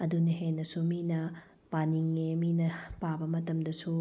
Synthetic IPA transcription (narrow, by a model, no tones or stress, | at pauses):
ɐdunɐɦenːɐsuminɐ | paniŋːeminɐpabɐmɐtɐmdɐsu